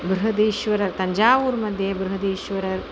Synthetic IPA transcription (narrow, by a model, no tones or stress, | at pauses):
bɾuɦɐd̪iːʃʋɐɾɐɾt̪ɐɲd͡ʒaːʋuːɾmɐd̪ʱjebɾuɦɐd̪iːʃʋɐɾɐɾ